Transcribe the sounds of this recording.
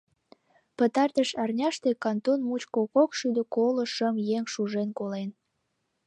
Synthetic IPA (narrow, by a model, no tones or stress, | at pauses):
pət̪ɑrt̪əʃɑrnʲɑʃt̪e̽kɑnt̪onmut͡ɕkokokʃyd̪ə̆koloʃəmjeŋʃuʒenkolen